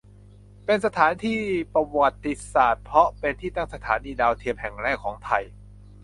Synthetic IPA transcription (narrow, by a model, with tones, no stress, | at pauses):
pe˧nsa˧t̪ʰaː˩˦nt̪ʰiː˥˩pa˧wa˨˩t̪ːi˨˩saː˨˩t̪̚pʰɾɔ˦˥pe˧nt̪ʰiː˥˩t̪a˥˩ŋsa˧t̪ʰaː˩˦niː˧daː˧wt̪ʰi˧əmhɛ˨˩ŋɾɛː˥˩kʰːɔː˩˦ŋt̪ʰa˧j